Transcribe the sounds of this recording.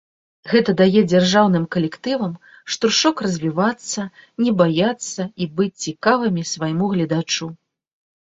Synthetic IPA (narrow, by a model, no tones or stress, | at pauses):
ɣɛt̪ɐd̪ajɛd͡zʲarʐawn̪ɨmkɐlʲɛkt̪ɨvɐm | ʂt̪ɔrʂɔkrɐzʲvʲivat̪sːɐnʲɛbajat̪sːɐibɨt͡sʲt͡sʲikavɨmʲisvajmuɣlʲɐd̪at͡ʂu